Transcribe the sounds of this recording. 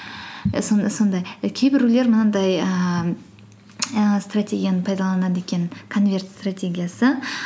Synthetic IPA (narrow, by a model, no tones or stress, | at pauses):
sonso̞nd̪ɑjkʲʰe̞jbɪɾule̞ɾmənɑd̪ɑjə | st̪ratʲʰe̞ɡʲijanəpʰɑjd̪ɑlˠɑnɑd̪əe̞kʲe̞nkʰo̞nvʲe̞rt̪st̪ratʲe̞ɡʲijasə